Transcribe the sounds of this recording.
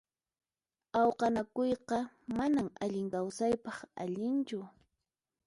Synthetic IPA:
ɑwqɑnakʊjqɑ | manamaʎɪŋkawsajpɑχa̰ʎɪnt͡ʃʊ

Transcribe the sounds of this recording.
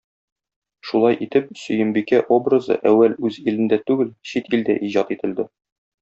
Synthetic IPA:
ʃulˠɑjʔit̪ɘp̚sɵ̆jɘ̆mbikæʔobrɤzɤ̰ʔæwːælʉzilɘ̆nd̪æt̪ʉɡɘlɕit̪ild̪æ̰ʔiʑɑt̪it̪ɘ̆ld̪ɘ

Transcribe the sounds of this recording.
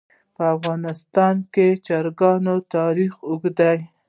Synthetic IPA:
pəafɣɑnɪst̪ɑnket͡ʃaɾɡɑnot̪ɑɾixʊɡd̪aj

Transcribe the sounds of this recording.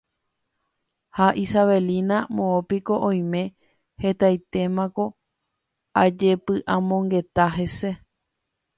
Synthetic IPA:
haʔisaβe̞linãmõopiko̞ʔõj̃mẽ̞ | he̞t̪ajt̪e̞mãko̞ | ad͡ʒe̞pɨʔãmõ̞ŋɡe̞t̪aɦe̞se̞

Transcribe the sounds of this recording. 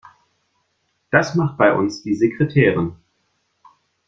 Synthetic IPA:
d̥asmaχt̚b̥aɪʔʊ̰nsd̥iːzekʁ̥etʰeːʁɪn

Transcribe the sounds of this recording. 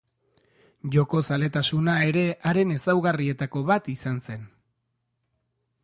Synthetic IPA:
ʝo̞ko̞sale̞t̪asunae̞ɾe̞ʔaɾe̞ne̞sawɣarie̞t̪ako̞βat̪isanse̞n

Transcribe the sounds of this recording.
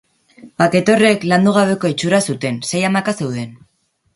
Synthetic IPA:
bake̞t̪o̞re̞kland̪uɣ̞aβe̞ko̞et͡ʃuɾasut̪e̞nse̞jamakase̞wðe̞n

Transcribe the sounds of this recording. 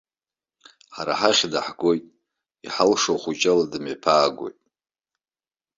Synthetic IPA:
ħaɾa̰ħaχʲdaħɡo̞jtʼ | iħalʂoχʷut͡ʃʼaladɨmepʰaːɡo̞̰jtʼ

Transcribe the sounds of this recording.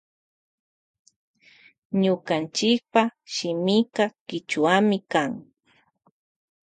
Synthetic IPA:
ɲʊkant͡ʃɪk̚paʃɪmɪkakɪt͡ʃʊwamɪkaŋ

